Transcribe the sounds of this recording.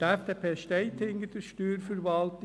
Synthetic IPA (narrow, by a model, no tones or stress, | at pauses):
æfd̪eːpʰeːʃt̪eɪt̪ʰɪŋɡət̪ʰəʃt̪yːɾfɔɾʋɑlt̪